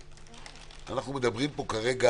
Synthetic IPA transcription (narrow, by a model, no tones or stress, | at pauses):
a̰naχnumed̪abʁimpo̞kaʁeɡa